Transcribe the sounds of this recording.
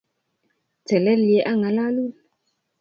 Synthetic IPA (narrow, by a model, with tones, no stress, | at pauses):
tɛ˨lɛ˦li˨e˦ʔa˦ŋa˨la˦lu˦˨l